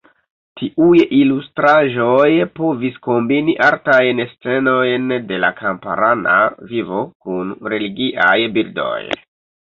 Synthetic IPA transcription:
tʰiʔujilustɾaʒo̞jpo̞visko̞mbiniʔaɾtajnest͡se̞no̞jnde̞la̰kampa̰ɾana̰vivo̞kunɾe̞liɡiʔajbiɾdo̞̰j

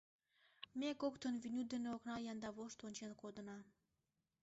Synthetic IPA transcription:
mekokt̪ənvinʲyd̪eneoknɑjɑnd̪ɑβoʃt̪onʲt͡ɕenkod̪ənɑ

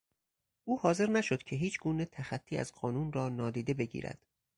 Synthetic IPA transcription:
ʔuːhɒːze̞ɾnæʃod̪̥cʲʰe̞ɦiːt͡ʃʰɡuːne̞t̪ʰæxæt̪ʰːiːæ̰zɢɒːnuːnrɒːnɒːd̪iːd̪e̞be̞ɟḭːɾæ̰d̪̥

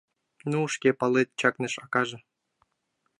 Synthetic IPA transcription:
nuːʃkʲepɑlˠet̪̚ʲt͡ɕɑknɤ̆ʃɑkɑʒɤ̆

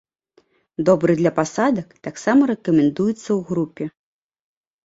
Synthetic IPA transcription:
d̪ɔbɾɨd̪lʲɐpasad̪ɐkt̪aksamɐɾɛkɐmʲɛnd̪ujɛt̪sːɐwɣɾupʲɛ

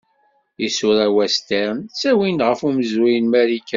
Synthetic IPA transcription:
isʊɾæwæst̪eɾnsæwinʁəfuməzwijənmæɾikːæ

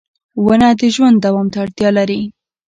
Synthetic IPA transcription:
wanad̪əʒwand̪dːawɑmt̪aːɽt̪jɑlaɾi

